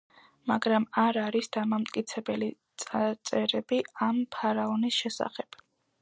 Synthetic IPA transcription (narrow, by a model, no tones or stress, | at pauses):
maɡɾamaɾaɾisd̪̥amamt̪ʼkʼit̪sʰɛbɛlit̪sʼat̪sʼɛɾɛbiampʰaɾaɔnisʃɛsa̰χɛb̥